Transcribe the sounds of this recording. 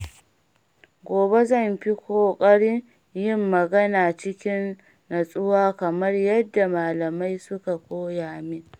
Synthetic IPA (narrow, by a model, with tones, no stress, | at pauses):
ɡʷoː˨be˦zɐ˦˨mɸi˦kʷoː˨kʼɐ˦ɽɪ˦ŋ | jɪ˦˨mːɐ˨ɡɐ˦naː˨t͡ʃɪ˦kʲɪ˦nː | ɐ˨sʼʊ˦waː˦kɐ˨mɐ˦rjɐ˦dːa˨maː˨lɐ˨ma˦jsʊ˦ka˨kʷoː˦jaː˨mi˦